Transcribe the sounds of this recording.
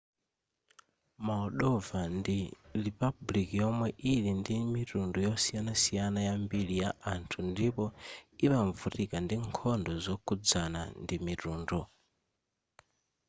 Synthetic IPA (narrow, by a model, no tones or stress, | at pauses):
maɔɗɔvandiɾipablikijɔmwɛʔilindimitundɔjɔsijanasijanajambilijaʔantʰundipɔimaɱvutikandiŋkʰɔndɔzɔkʰud͡zana̰ndimituːndɔ